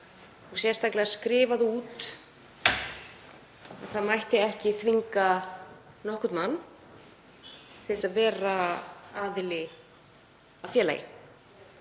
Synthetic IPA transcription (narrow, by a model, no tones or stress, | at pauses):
ɔɣsjɛst̪aklɪaskɾɪːvaðuːt̪ | aðθaðmajht̪ɪɛhcɪθviŋka | nɔhkʏt̪manː | θɪsaðvɛːɾaaːðɪlɪ | awfjɛːla̰jɪ̰